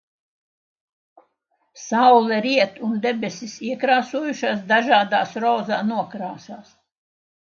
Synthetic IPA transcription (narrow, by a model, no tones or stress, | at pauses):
sawlˠɛɾiɛt̪und̪ebʲesʲisiɛkɾaːsuɔjuʃaːs̬d̪aʒaːd̪aːsɾɔːzaːnuɔkɾaːsaːs